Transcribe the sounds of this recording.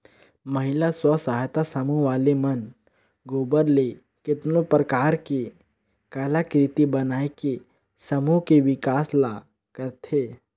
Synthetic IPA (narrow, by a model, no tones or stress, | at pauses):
məɦɪlaswəsaɦjt̪asəmuɦʋaːlemən | ɡoːbəɾle | kɪt̪nõpɾəkaːɾke | kaːlakɾɪt̪ibɐnaːeke | sɐmuɦkeʋɪkaːsla | kəɾt̪ʰeː